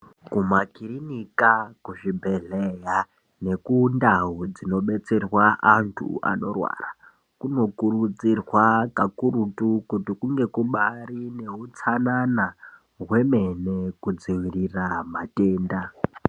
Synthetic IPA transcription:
kumakiɾinikakuʐibʱe̞ɮeja | ne̞kundaɦud͡zino̞ɓe̞t͡se̞rwaʔantʰṵa̰no̞rwa̰ra | kuno̞kurud͡zirwakakuɾutukutikuŋɡe̞kuɓarine̞ɦut͡sanana | ɦwe̞me̞ne̞kud͡ziwiriramate̞ːnda

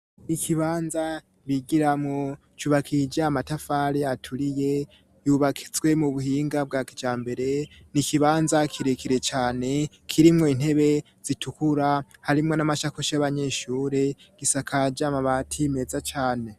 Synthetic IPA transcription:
ikʰiβaːnza | βiɡiɾamŋo | t͡ʃuːβakʰid͡ʒaːmatafaɾiatʰuɾije̞ | juβakʰi̥zwe̞muβuhiːŋɡab̚ɡakid͡ʒaːmbe̞ɾe̞ | nikiβaːnzakʰiɾekʰiɾe̞t͡ʃaːne̞ | kʰiɾimŋo̞in̥he̞βe̞ | z̥itʰukuɾahaɾimŋo̞namaʃakuʃaaβaɲeʃuːɾe̞ | ɡ̥isakʰad͡ʒamaβatʰime̞zat͡ʃaːne̞

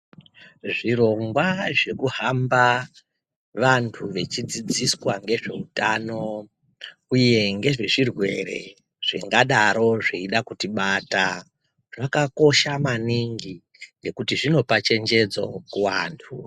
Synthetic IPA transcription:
ʐiɾo̞ŋɡwaʐe̞kuɦamba | ʋantʰuʋe̞t͡ʃid͡zid͡ziswaŋɡe̞ʐe̞utano̞ | uje̞ŋɡe̞ʐe̞ʐirwe̞̰ɾe̞̰ | ʐ̥ḛŋɡaɗaɾo̞ʐiiɗakutiɓata | ʐakako̞ʃamaniŋɡi | ne̞kutiʐino̞pat͡ʃe̞nd͡ʒe̞d͡zo̞̰kuwaːntʰu

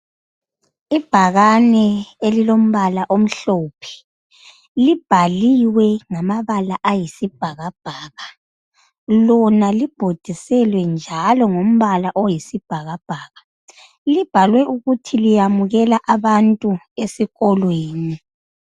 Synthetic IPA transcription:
ib̥ʱaɣanɛelilom̩βalaʔom̩ɬɔːpʰɛ̥ | lib̥ʱaliwɛŋamaβalaʔajisib̥ʱaɣab̥ʱaːɣa | lɔnalib̥ʱod̥ʱisɛlwɛnd͡ʒʱalɔŋom̩βalaʔɔjisib̥ʱaɣab̥ʱaːɣa | lib̥ʱalwɛʔuɣutʰilijamuɣɛlaʔaβantʼu | esiɣɔlweːni

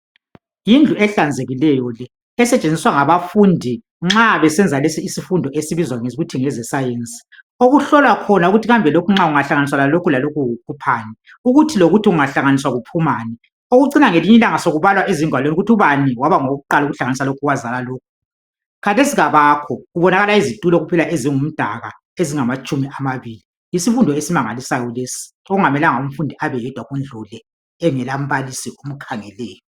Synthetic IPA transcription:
jind͡ɮʱuɛɬand͡zʱeɣilɛjɔlɛː | sɛt͡ʃʼend͡zʱiswaŋaβafundʱi | ŋ͡ǁaβɛsɛnd͡zʱalesiisifundʱɔʔesiβizwaŋeɣutʰiŋɛzɛsajent͡sʼi̥ | oɣuɬɔlwakʰɔnauɣutʰiɣambʱɛlokʰuŋ͡ǁauŋaɬaŋanis̬walalokʰulalokʰuukʰupʰanɛ | uɣutʰiloɣutʰiɣuŋaɬaŋanis̬waɣupʰumaːnɛ | oɣuǀinaŋeliɲɛlaŋasoɣuβalwaʔeziŋʱwaloniuɣutʰuβanɛwaβaŋoɣuǃaluɣuɬaŋanisalokʰuɣwazalaloːkʰu̥ | katʰesiɣaβakʰɔɣuβɔnaɣalaizitʼulɔɣupʰɛlaʔeziŋum̩d̥ʱaɣa | eziŋamat͡ʃʼumiʔamaβiːli | jisifundʱɔesimaŋalisajɔlesi̥ | oɣuŋamɛlaŋaum̩fundʱiʔaβɛjɛd̥ʱwaɣwɛnd͡ɮʱulɛː | ŋɛlam̩βalisiom̩kʰaŋɛlɛːjɔ

